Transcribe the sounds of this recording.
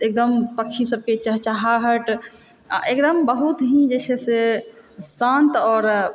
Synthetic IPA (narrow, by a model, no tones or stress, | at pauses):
ek̚d̪əmpəkt͡ʃʰisəb̚ket͡ʃəɦt͡ʃaɦaɦəʈ | a̰ʔekd̪əmbəɦut̪ɦĩd͡ʒesʰese | sãnt̪ɔːɾ